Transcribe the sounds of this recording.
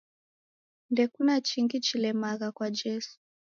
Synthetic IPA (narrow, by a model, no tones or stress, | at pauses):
ndɛkunat͡ʃiŋɡit͡ʃilɛmaɣakwad͡ʒɛsu̥